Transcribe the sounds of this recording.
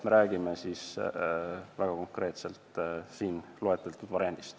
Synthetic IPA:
me̞ɾæːɡ̥imesis | væɡ̥ɑko̞ŋkre̞ːt̪selt̪siːnloe̞t̪ːˑɑlt̪ːud̪vɑɾjɑnd̪̥ist̪

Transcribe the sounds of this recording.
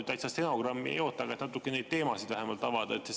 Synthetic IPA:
t̪æjt̪sɑst̪eno̞ɡ̥rɑmːiḛjo̞ːt̪ːˑɑɡɑet̪nɑt̪ːˑukːˑene̞jd̪̚t̪e̞ːmɑsid̥̪væɦemɑlt̪ːˑɑvɑd̪̥ɑet̪se

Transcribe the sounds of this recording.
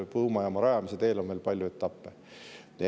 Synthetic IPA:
pɤwmɑjɑmɑɾɑjɑmis̬et̪e̞ːlonve̞lpɑlʲjue̞t̪ːˑɑpːe | ne

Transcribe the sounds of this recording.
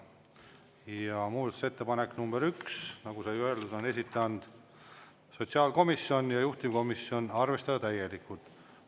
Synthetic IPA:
jjɑmuːd̪ɑt̪u̥se̞t̪ːe̞pɑnekːnumb̥eɾyksnɑɡusɑjøeld̪ud̪̥o̞ne̞sit̪ːˑeɑnd̪̥ | so̞t̪siɑːlko̞misjo̞njɑjuht̪imko̞misːjo̞nɑrve̞st̪ɑd̪ɑt̪æjelikːˑult̪

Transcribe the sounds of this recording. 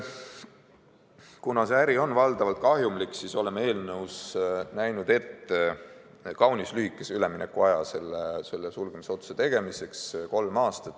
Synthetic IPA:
kunɑseæɾio̞nvɑld̪̥ɑvɑlt̪̚kɑɦjumlikːsiso̞le̞meeːlnɤwsnæjnud̪̥e̞t̪ː | kɑwnislyhikːˑesyleminekːuɑjɑse̞lːese̞lːesulɡ̥emiseo̞t̪su̥set̪e̞ɡ̥e̞mise̞ksko̞lmɑːst̪ɑt̪ːˑ

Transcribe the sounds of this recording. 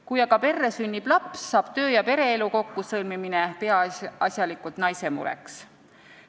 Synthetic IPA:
kujɑɡ̥ɑpe̞rːesynʲːib̥lɑpsːɑːb̥̚t̪ø̞ːjɑpe̞ɾe̞eluko̞kːusɤlmiminepe̞ɑɑsʲjɑlikult̪nɑjse̞mṵɾḛks

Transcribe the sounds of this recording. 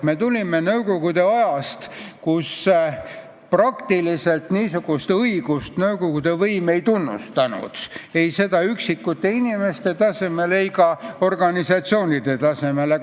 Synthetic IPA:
me̞t̪ulʲimenɤwko̞ɡ̥ud̪e̞ɑjɑst̪kus | prɑkt̪ilise̞lt̪niːsuɡ̥ust̪ɤiɡ̥ust̪nɤwko̞ɡud̪̥e̞vɤjme̞jt̪unːṵst̪ɑnṵd̪̥ejse̞d̪ɑyksikːut̪ːˑe̞inime̞st̪e̞t̪ɑse̞me̞lejkɑo̞rɡ̥ɑnisɑt̪sio̞ːnʲid̪̥e̞t̪ɑseme̞le

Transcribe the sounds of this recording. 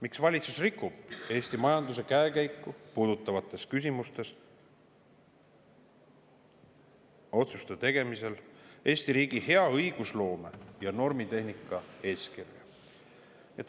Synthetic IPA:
miksvɑlʲit̪susrikːˑub̥e̞ːst̪imɑjɑnd̪us̬e̞kæekæjkːˑupuːd̪̥ut̪ːˑɑvɑt̪ːˑe̞skys̬ʲimust̪e̞s | o̞t̪sust̪et̪e̞ɡ̥e̞mise̞le̞ːsʲt̪iɾiːɡ̥ihe̞ɑɤjɡ̥uslo̞ːme̞̰jɑno̞rmit̪e̞hnikːˑɑe̞ːskirjɑ | et̪

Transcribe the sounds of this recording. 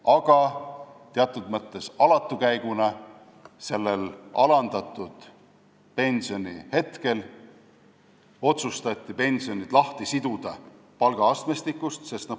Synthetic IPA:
ɑɡ̥ɑ | t̪eɑt̪ːˑud̪̥mɤt̪ːˑe̞sɑlɑt̪ːˑukæjɡ̥unɑ | se̞lːelɑlɑnd̪̥ɑt̪ːˑud̪̥ | pe̞nʲsio̞nʲihe̞t̪ke̞l | o̞t̪sust̪ɑt̪ʲːˑipe̞nʲsio̞nʲid̪̥lɑht̪isid̪̥ud̪̥ɑ | pɑlɡ̥ɑɑst̪mest̪ikːˑust̪se̞st̪nɑ

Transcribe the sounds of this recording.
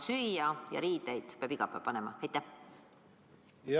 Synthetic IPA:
syjɑjɑ̰ɾiːd̪̥ejd̪̥peɑbiɡ̥ɑpːˑæ̰pɑnemɑ̰æjt̪ːæh

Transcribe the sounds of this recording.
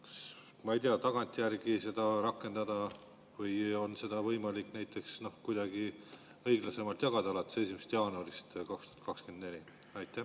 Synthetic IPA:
ks | mɑejt̪eɑt̪ɑɡ̥ɑnʲt̪ʲˑjærɡ̥ise̞d̪̥ɑɾɑkːˑe̞nd̪ɑd̪̥ɑ | vɤjo̞nse̞d̪̥ɑvɤjmɑlikˑnæjt̪ːˑe̞ksno̞hkujd̪̥ɑɡ̥i | ɤjɡlɑse̞mɑlt̪jɑɡ̥ɑd̪ɑlɑt̪ːe̥se̞s̬ʲimest̪jɑːnuɑɾist̪kɑkst̪u̥ɑt̪̚kɑkskend̪ne̞lʲi | ɑjt̪ˑːæ

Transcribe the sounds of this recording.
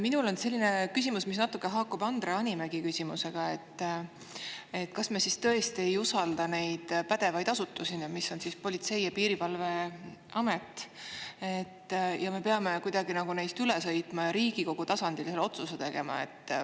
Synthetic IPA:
minulo̞nse̞lʲːine̞kysimusmis̬nɑt̪ːˑukːˑe̞ɦɑːkːˑub̥ɑnd̪̥reɑnʲimæɡ̥ikysʲimuse̞ɡ̥ɑe̞t̪ː | e̞t̪ːˑkɑsme̞sist̪ɤ̞e̞st̪ie̞jusɑld̪ɑne̞jd̪̥pæd̪̥e̞vɑjd̪ɑsut̪ːˑusinɑmisːo̞nsispo̞lʲit̪se̞jɑpiːɾivɑlve̞ | ɑme̞t̪ːˑ | et̪ːjɑme̞peɑme̞kujd̪̥ɑɡ̥inɑɡ̥unejst̪ylesɤ̞jt̪ˑmɑjɑɾiːɡ̥iko̞ɡ̥ut̪ɑsɑnd̪̥ilselːo̞t̪suset̪e̞ɡ̥e̞mɑ̰e̞̰t̪ːˑ

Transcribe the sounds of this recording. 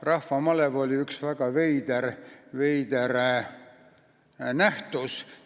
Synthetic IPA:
rɑhvɑmɑlevo̞lʲiyksvæɡ̥ɑvejd̪̥ervejd̪̥eɾ | næht̪us

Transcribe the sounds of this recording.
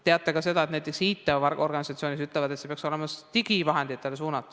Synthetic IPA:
t̪e̞ɑt̪ːˑekɑse̞d̪ɑet̪næjt̪ːˑe̞ksiːt̪ːˑevɑrɡorɡ̥ɑnisɑt̪sio̞ːnisyt̪ːˑlɛvɑd̪esepeɑkso̞le̞mɑt̪iɡivɑɦe̞nd̪̥it̪ːˑelesuːnɑt̪ːˑu̥

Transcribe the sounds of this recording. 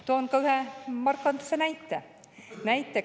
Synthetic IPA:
t̪onkɑwhæmɑrkːɑnt̪u̥sːenæjt̪ːæ̰ | næjt̪ːæ

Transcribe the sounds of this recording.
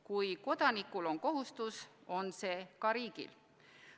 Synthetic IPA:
kujko̞d̪̥ɑnikːulo̞nko̞ɦust̪uso̞nse̞ːkɑɾiːɡ̥ḭl

